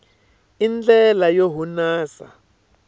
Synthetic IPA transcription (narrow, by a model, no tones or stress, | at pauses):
ind͡ɮɛlajoɦunaːsa̰